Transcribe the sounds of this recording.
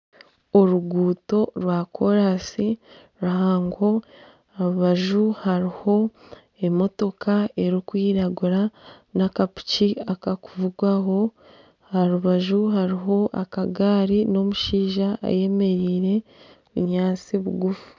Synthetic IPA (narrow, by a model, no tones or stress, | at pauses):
oɾuɡuːto̞ɾwaːkʰo̞ɾasi | ɾuhaːŋɡo̞ | aɾuβaʒuhaɾiho̞ | e̞mo̞to̞kae̞ɾikwiːɾaɡuɾanakapu̥ciakakuvuɡwaɦo̞ | aɾuβaʒuɦaɾiɦo̞ʔa̰kaɡaːɾino̞muʃiːʒaʔːje̞me̞ɾiːɾe̞ | βuɲaːt͡siβuɡufu̥